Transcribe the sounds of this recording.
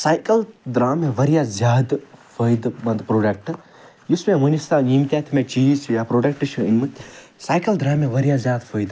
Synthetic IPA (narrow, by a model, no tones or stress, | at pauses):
saːjkɐld̪ɾaːmẽʋɐɾijazʲjaːd̪fəjd̪mɐnd̪pɾoːɖɐk̚ʈ | jusmẽmunʲist̪animt̪ʲjaːt̪ʰimẽt͡ʃiːt͡ʃʰjapɾoːɖɐk̚ʈɨt͡ʃʰuinmɨsaːjkɐld̪ɾaːmẽʋɐɾijazjaːd̪fʰəːjd̪